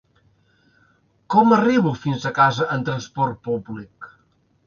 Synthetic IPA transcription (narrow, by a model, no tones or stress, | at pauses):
kɔməriβufinzəkazəʔənt̪ɾənspɔɾt̪̚publik